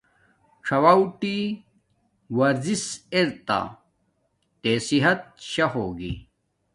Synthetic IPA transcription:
ʈ͡ʂʰɐwawʈi | wɐɾziseɾt̪a̰ | t̪eːsiɦɐt̪̚ɕɐɦoːɡḭ

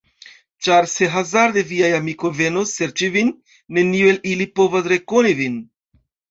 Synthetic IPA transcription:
t͡ʃaɾse̞ɦazaɾd̪eviajamiko̞jve̞nosːe̞ɾt͡ʃivinː | e̞niue̞lilipo̞vasɾe̞ko̞nivin

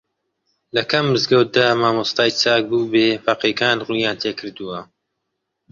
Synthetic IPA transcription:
lɐkɐmːɨzɡɐwt̪̚d̪aːmaːmust̪aːjt͡ʃaːk̚buːbeːfaqekaːnʁuːjaːnt̪ʰeːkʰɨɾd̪uwɐ

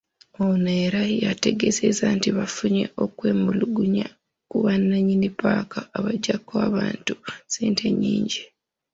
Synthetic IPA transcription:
oneːɾajate̞ɡe̞zezantiβafuɲe̞̰ʔo̞kwe̞ːmuluɡuɲa | kuβanːaɲinipaːkʰaːβaɟakːoaːβaːntuseːntʰe̞ɲːiːɲɟi

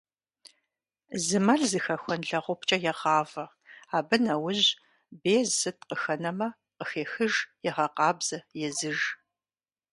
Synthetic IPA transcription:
zɨmɐɮzɨxɐxʷɔnɮɐʁʷʊpt͡ʃʼɐjɛʁɑːvɐ | aːbɨnɐwʊʑ | beːzsɨt̚ʰʼqəxɐnɐmɐ | qəxeːxɨʒjɛʁɐqɑːbz̥ɐjɛzɨʒ

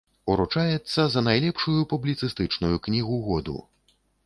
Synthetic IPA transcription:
uɾut͡ʂajɛt̪sːɐzɐnajlʲɛpʂujupublʲit̪sɨst̪ɨt͡ʂnujuknʲiɣuɣɔd̪ṵ

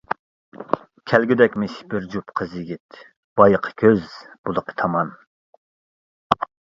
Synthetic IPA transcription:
kʲʰælɡʲyd̪ɛkʲmɪʃbɪɾd͡ʒupqʰəzjiɡʲit̪ | b̥ɑjəqʰə̥kʲʰøzb̥ulˠəqʰə̥t̪ʰɑmɑn

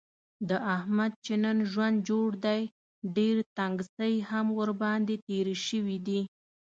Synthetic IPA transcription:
d̪əʔahmad̪̚t͡ʃenənʒwand̪̚d͡ʒoɽd̪aj | ɖeɾt̪aŋɡsəjhamwəɾbɑnd̪et̪eɾəʃəwid̪i

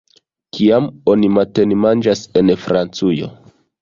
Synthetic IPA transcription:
kiamo̞nimate̞nimand͡ʒase̞nfɾant͡sujo̞̰

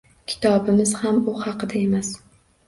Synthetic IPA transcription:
kʲʰɪ̥t̪ʰɒbɪmɪzhambʊhɑqʰɨd̪ae̞mas

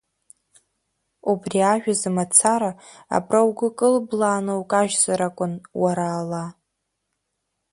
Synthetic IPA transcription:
ubriaʒᶣazɨmat͡sʰaɾa | a̰brawɡʊkʼɨlblaːnowkʼaʒzaɾakʷʼʊnwaɾaːla

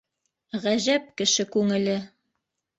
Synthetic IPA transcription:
ʁæʑæp̚kɘ̆ʃɘkʉŋɘ̆lɘ

